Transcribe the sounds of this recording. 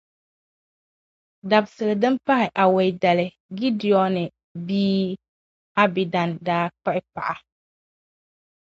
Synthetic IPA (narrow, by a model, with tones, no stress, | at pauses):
da˨bsɨ˨lɨ˨dɨ˦mpa˦hɪ˨ʔa˨wɛ˨jdɛ˨lɪ˨ | ɡi˦di˨ɔ˨nɪ˨ | biː˦ | a˦bi˨da˨ndaː˦k͡pɛ˦ʔɪ˦k͡pa̰˨ʔa˨